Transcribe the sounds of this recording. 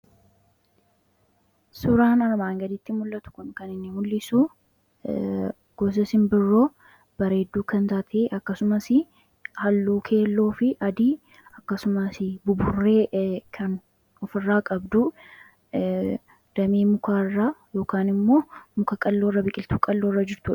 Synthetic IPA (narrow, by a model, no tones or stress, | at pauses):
sʊɾaːnɐɾmaːŋɡɐd̪ɪt̪ːɪmʊlːɐt̪ʊ̥kʊnkɐnɪnːɪmʊlːɪsu | ɡ̥ɔs̬ɐsɪmbɪrːo̞ː | b̥ɐɾe̞ːd̪ːuːkɐnt̪aːt̪ʰeːʔɐkːɐsʊmɐsɪ | hɐlːuːkʰe̞ːlːo̞ːfɪʔɐd̪iː | ɐkːɐsʊmɐsɪbʊbʊrːeːkʰɐn | ɔfɪrːaːkʼɐbd̪ʊ | d̪̥ɐmeːmʊkʰaːɪrːaːjo̞ːkaːnɪmːo̞ːmʊkɐkʼɐlːoːrːɐbɪkʼɪlt̪uːkʼɐlːo̞ːrːɐd͡ʒɪɾt̪uːɐ̥